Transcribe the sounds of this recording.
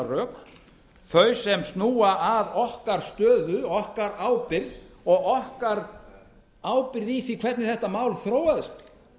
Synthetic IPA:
rœːk | θœɥsɛmst̪nuːaʔaðɔhkaɾ̥st̪œːðʏɔhkaɾaːwpɪɾðɔɣɔhkaɾ | aːwpɪɾðiθikʰvɛɾt̪nɪθɛht̪amaːwlθɾoːwaðɪst̪

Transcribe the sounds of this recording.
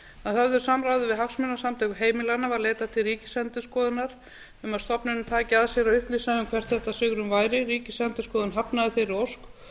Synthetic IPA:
aðhœvðʏɾ̥samɾawðʏvɪðɦaksmɛnːasamt̪ʰɛkʏɦeːjmɪlanavaɾleːjt̪at̪ʰɪlriːcɪ̥sɛnt̪ʏskɔːðʏnaɾ̥ | ʏmaðst̪ɔpnɪnmt̪ʰaːcɪaðsjɛɾaʏhpliːsaðʏmkʰvɛr̥t̪θɛht̪asʏɣɾʏmvaːjɾɪɾiːcɪsɛnt̪ɪskɔːðʏnɦapnaðɪθɪɾɪowsk

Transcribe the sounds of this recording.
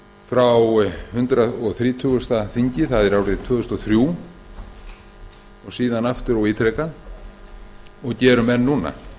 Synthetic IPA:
fɾawhʏnt̪ɾaðɔɣθɾiːt̪ʰʏːɣʏst̪aθiɲcɪθaðɪɾawɾɪt̪ʰœːɣʏst̪ɔθɾjuː | ɔsiːðanaft̪ʏɾawiːt̪ʰɾɛkan | ɔɣcɛːɾʏmɛnːuːna̰

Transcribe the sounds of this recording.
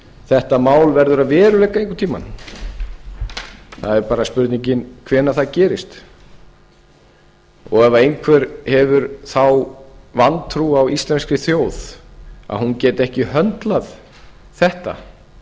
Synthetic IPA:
θɛht̪amaːwlvɛɾðʏɾaðvɛːɾʏlejkaejŋkʏɾ̥t̪ʰiːma̰nm | θa̰ðɛɾpaːɾaspʏɾt̪niɲcɪnkʰvɛːnːaθaðcɛːɾɪst̪ | ɔɣɛvaɾejnkʰvɛɾhɛvʏɾθawvant̪ʰɾuawist̪lɛnskɾɪθjoːwða̰ðhuncɛːt̪ɛhcɪhœnt̪lað | θɛht̪a̰

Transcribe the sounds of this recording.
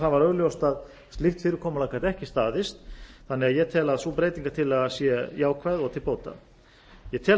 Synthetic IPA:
θaðvaɾœɣljowst̪að | st̪lɪft̪fɪːɾɪɾkʰɔːmalaːkʰaɾt̪ɛhcɪst̪aːðɪst̪θanːɪɣaðjɛɣt̪ʰɛːlaðsuːpɾeːjt̪iŋkḁt̪ʰɪlaðsjɛjaːwkʰvaðɔɣt̪ʰɪlpoːwt̪a̰ | jɛt̪ʰɛːl

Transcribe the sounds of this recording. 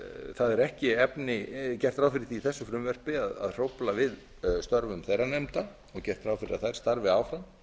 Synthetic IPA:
θaðɛɾɛhcɪɛpnɪcɛr̥t̪ɾawfɪɾɪθiiθɛsːʏfɾʏmvɛr̥pɪaða̰ðr̥owplavɪð | st̪œɾvʏmθejrːanɛmt̪a | ɔɣcɛr̥t̪ɾaːwfɪɾɪaθaɾst̪aɾvɪaːwfɾam

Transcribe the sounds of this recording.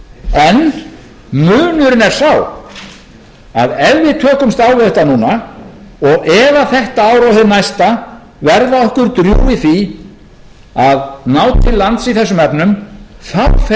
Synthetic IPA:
ɛn | mʏːnʏɾɪnɛɾ̥saw | a̰ðɛlvɪt̪ʰœːkʏmst̪aːwvɪðɛht̪ːanuːna | ɔɣɛðaθɛht̪aaːwɾawhɪðnajst̪a | vɛɾðaɔhkʏɾt̪ɾjṵːɪθvi | aðnaːwt̪ʰɪlːant̪siθɛsːʏmɛpnʏmθaf

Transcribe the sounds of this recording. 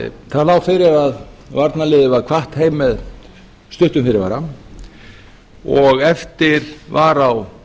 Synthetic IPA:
θaðlaːwfɪɾɪɾaðvaɾt̪nalɪːðʏvaðkʰvaht̪heːjmːɛð | st̪ʏht̪ʏmfɪɾɪɾva̰ɾam | ɔɣɛft̪ɪɾ̥vaɾaw

